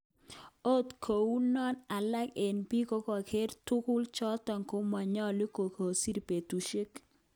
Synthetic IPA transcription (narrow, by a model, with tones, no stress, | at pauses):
o˦tkʰo˨u˦nɔ˦na˨la˦ke˨npi˦ko˦kɔ˨kʰe˦ɾtʊ˦kʊ˦lt͡ʃɔ˦tɔ˨ŋko˦ma˨ɲɔ˦li˦ko˨ko˨si˦ɾpe˨tu˨ʃɪ˦k